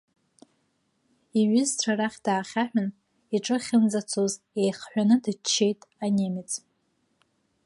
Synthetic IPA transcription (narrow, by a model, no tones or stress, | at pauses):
iɥɪzʈ͡ʂʷʰaɾaχʲd̥aːχʲaħʷᶣʏn | iʈ͡ʂʼɨχʲɪnd͡zat͡sʰoz | ejχħʷanɨdɨt͡ʃʰːejtʼanʲemɪt͡sʼ